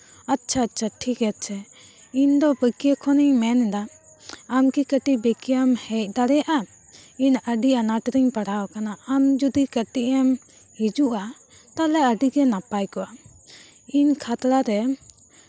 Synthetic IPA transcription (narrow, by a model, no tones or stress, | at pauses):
atːt͡ʃʰaːtt͡ʃʰaʈʰikɛt̪̚t͡ʃʰɛ | iɲd̪ɔbəkijəkʰɔniɲmɛnd̪aː | mkikəʈibɛkijamhɛc̚ˀd̪aɽɛjaʔa | inəɖianaʈɾiɲpəɽawakanaamd͡ʒud̪ikəʈiʔɛm | hid͡ʒuʔa | t̪alɛəɖiɡɛnapajkɔʔa | iɲkʰat̪ɾaɾɛ